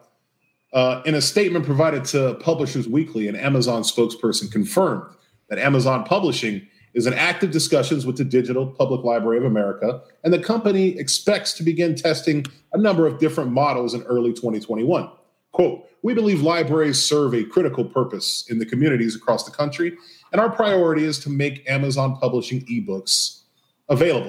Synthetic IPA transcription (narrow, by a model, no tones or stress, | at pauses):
ɨ̃ñɨsteɪt̚mɨ̃npʰɹ̥ɨvaɪɾɨd̚tʰɨpʰʌbləʃə˞zwikʰliɨ̃næ̰məzɑ̃nspoʊkspʰɜ˞sn̩kʰɨ̃ɱfɜ̃˞m | ðɨɾæməzɑ̃npʰʌbləʃɪ̃ŋ | ɨzɨ̃n̩æk̚tɨvdɨskʌʃɨ̃nzwəðɨdɪd͡ʒɨɾl̩ˠpʰʌbləklaɪbɹɛɹiʌvɨmɛɹɨkə | ɨ̃nðɨkʰʌ̃mpɨñiɨkspɛk̚tstʰɨbɨɡɪ̃ntʰɛstɪ̃ŋ | ənʌ̃mbə˞ʌvdɪfɹɨ̃nmɑɾl̩ˠzɨ̃nɜ˞lˠitʰw̥ɛ̃ɾ̃itʰw̥ɛ̃ɾ̃iwʌ̃n | kʰw̥oʊt̚ | wibəlivlaɪbɹɛɹiz̥sɜ˞vɨkʰɹ̥ɪɾɨkl̩ˠpʰɜ˞pɨsɨ̃nðɨkʰɨmjʉɾ̃ɨɾizɨkʰɹ̥ɔsðəkʰʌ̃nt͡ʃɹ̥iɨ̃ɾ̃aʊə˞pʰɹ̥aɪɔɹɨɾiɨz̥tʰɨmeɪkæmɨzɑ̃npʰʌbləʃɪ̃ŋibʊks | əveɪlˠəbl̩ˠ